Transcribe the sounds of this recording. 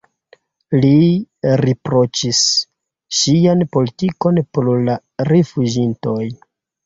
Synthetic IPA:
liɾepɾo̞t͡ʃis | ʃːianpo̞litiko̞npɾola | ɾefud͡ʒinto̞j

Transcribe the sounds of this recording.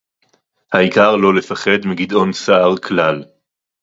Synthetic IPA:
haikaʁlo̞le̞faχe̞d̪miɡid̪o̞nsaʔaʁkʰlal

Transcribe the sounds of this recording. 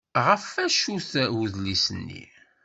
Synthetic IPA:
ʁəfæʃuθwuðlisənːḭ

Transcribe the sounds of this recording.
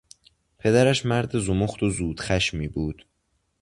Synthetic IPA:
pʰe̞d̪æɾæʃmæɾd̪ezumoxt̪ozuːd̪̥xæʃmiːbuːd̪̥

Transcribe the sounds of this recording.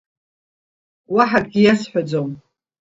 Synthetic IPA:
waħad̚ɡʲijasħʷᶣad͡zom

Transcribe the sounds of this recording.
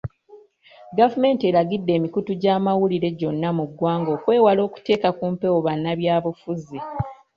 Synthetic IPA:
ɡavume̞ːnte̞ɾaɡidːe̞ːmikutuɟaːmawuliɾe̞ɟo̞nːamuɡwaːŋɡo̞ːkwe̞ːwalo̞ːku̥te̞ːkakuːmpe̞woβanːaβjaːβufuzi

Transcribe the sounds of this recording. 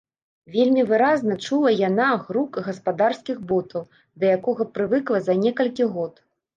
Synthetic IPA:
vʲelʲmʲivɨɾaznɐt͡ʂulˠɐjanaɣɾukɣɐspad̪arskʲiɣbɔt̪ʰɐw | d̪ɐjakɔɣɐpɾɨvɨklˠɐzɐnʲɛkɐlʲkʲiɣɔt̪

